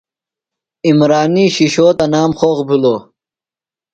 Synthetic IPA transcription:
imɾaːniːɕiɕoːt̪ɐnaːmχoːɣbiloː

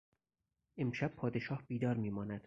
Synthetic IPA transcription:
ʔemʃæb̥pʰɒːd̪e̞ʃɒːhb̥iːd̪ɒːɾmiːmɒːnæd̪̥

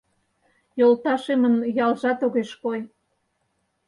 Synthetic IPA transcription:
jolt̪ɑʃemənjɑlʒɑt̪oɣeʃkoj

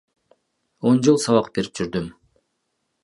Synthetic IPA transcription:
o̞nd͡ʒɯlˠsɑβɑqb̥e̞ɾi̥p̚d͡ʒyɾd̪ym

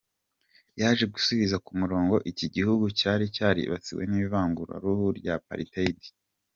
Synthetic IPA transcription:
jaːʒe̞ɡusuβizakumuɾo̞ːŋɡo̞ʔiciɟihuɡucaːɾicaːɾḭβa̰t͡siwe̞̰niiβaːŋɡuɾa̰ɾuhuɾɟapa̰ɾitaidi̥

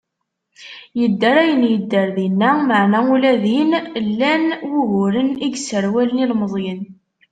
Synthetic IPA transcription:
jəd̪ːəɾæjənjəd̪ːəɾðinːæməʕnæulæðinlːænwuɣʊɾəniɡsəɾwælənilməzˤjən

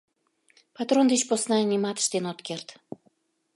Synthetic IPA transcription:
pɑt̪ɾond̪et͡ɕposnɑnʲimɑt̪ə̥ʃt̪enot̪kert̪

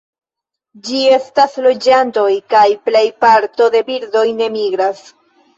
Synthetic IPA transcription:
d͡ʒie̞staslo̞d͡ʒanto̞jkajple̞jpaɾto̞de̞biɾdo̞jne̞miɡɾas

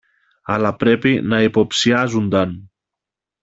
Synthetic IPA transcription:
alapɾepinaipopsiazund̪an

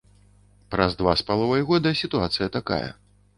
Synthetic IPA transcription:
pɾɐzd̪vaspalˠɔvɐjɣɔd̪ɨsʲit̪uat̪sɨjɐt̪aka̰jɐ̰

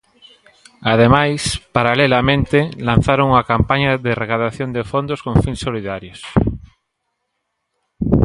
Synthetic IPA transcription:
að̞emajspaɾalelamẽnt̪ɪlan̟θaɾoŋuŋɐkampaɲɐðerekaðaθjond̪efond̪oskoŋfinsːoliðaɾjos

